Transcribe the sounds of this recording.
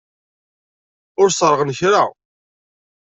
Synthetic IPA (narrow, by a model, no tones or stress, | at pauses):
ʊɾsɾˤəʁənçɾa